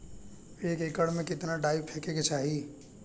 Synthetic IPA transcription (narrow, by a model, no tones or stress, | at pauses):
ekekəɽmekit̪naɖaibpʰekeket͡ʃʰaɦi